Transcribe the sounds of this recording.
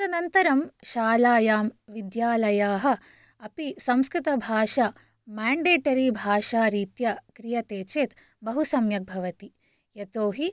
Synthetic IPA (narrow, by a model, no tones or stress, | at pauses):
t̪ɐnɐnt̪ɐɾɐmʃaːlaːjaːmʋid̪jaːlɐjaːɦɐ̆ | ɐpisɐ̃mskɾit̪ɐbʱaːʃa | maːɳɖeːʈɐɾibʱaːʃaːɾiːt̪jɐkɾijɐt̪eːt͡ʃeːt̪ | bɐɦusɐmjɐk̚bʱɐʋɐt̪i | jɐt̪oːɦi